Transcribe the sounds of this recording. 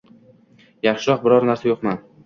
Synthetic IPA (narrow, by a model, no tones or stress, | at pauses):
jaχʃɪɾɒq̚bɪɾɒɾnaɾsajoqman